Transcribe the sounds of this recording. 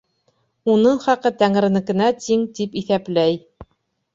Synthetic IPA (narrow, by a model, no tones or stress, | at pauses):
unɤɴχɑqɤt̪æŋɾɘ̆nɘ̆kɘ̆næt̪iŋt̪ipiθæplæj